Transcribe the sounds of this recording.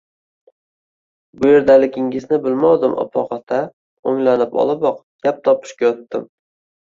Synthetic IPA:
bʊje̞ɾd̪alɪɡʲɪŋɪznɪbɪlmɒwd̪ɪmʔɒ̰pʰɒqɑt̪ʰa | oŋlanɪpɒ̰lˠabɒq | ɡ̥ʲap̚t̪ʰɒpʰɪ̥ʃkʲajɒt̪ːɪm

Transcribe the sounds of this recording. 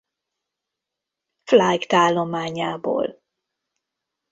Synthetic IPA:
flajkt̪aːlːomaːɲaːbo̰ːl

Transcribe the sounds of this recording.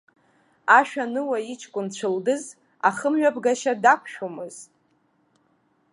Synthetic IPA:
aʃᶣanɨwait͡ʃʰkʷʼʊnt͡ɕʷʰɨldɨz | aχəmɥabɡaʃadakʷʰʃᶣomɨz̥

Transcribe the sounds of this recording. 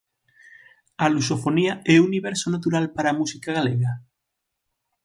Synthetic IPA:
alusofoniaeuniβ̞eɾsonat̪uɾalpaɾamusikaɣaleɣa

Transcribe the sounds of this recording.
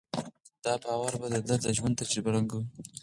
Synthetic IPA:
d̪̥ɑbɑwaɾbad̪əd̪ad̪əʒwand̪t̪ad͡ʒɾibaɾaŋɡu

